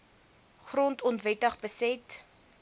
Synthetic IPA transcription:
χrɔntɔntvɛtəχbəsɛt

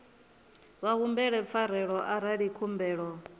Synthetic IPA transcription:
βaɣumbɛɺɛp̪fʰaɾ̤ɛɺɔʔaɾaɺikʰumbɛːɺɔ

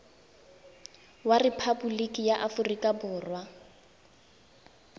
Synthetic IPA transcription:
warepʰabulikʼijaʔafʊrikʼabʊːrwa

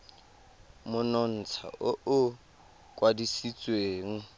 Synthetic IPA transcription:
mʊnɔn̩t͡sʰa̰ʔʊʔʊ | kʼwadisit͡sʼweːŋ̩

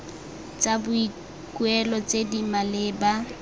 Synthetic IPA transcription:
t͡sabʊi | kuɛlɔt͡sʼedimalɪːba

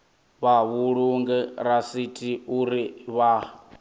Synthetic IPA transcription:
βaβuɺuŋɡɛɾasitʰʼiuɾiβa

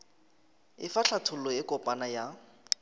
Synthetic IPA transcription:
ɪfaɬʰatʰʊlɔɪkʼɔpʼanaja

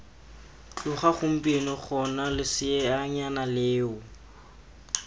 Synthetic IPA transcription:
t͡ɬʊχaχʊm̩pʼenɔχɔnalɪsɪɛaɲanaleːʊ

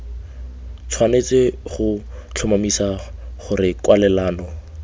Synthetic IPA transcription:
t͡sʰwanet͡sɪχʊt͡ɬʰʊmamisaχʊrɪkwalɛlaːnɔ

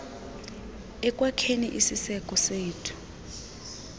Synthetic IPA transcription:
ɛkʼwakʰenḭʔisisɛkʼɔseːtʰu̥

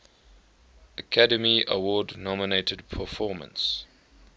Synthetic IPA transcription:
əkʰadəmiə̰wɔːdnɔməneɪtʰədpʰəfɔːmə̰̃ns

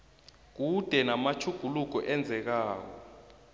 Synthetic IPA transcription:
k̬ud̥ʱɛnamat͡ʃʰuɡ̥ʱuluk̬ɔʔɛnd͡zʱɛk̬aːk̬ɔ̰

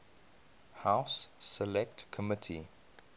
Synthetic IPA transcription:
haʊsːɛlɛk̚tkʰɔmɪtʰḭ

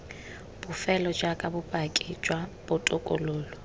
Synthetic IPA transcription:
b̥ʊfɛlɔd͡ʒakʼabʊpʼakʼit͡ʃʼwab̥ʊtʼʊkʼʊ̰loːlɔ

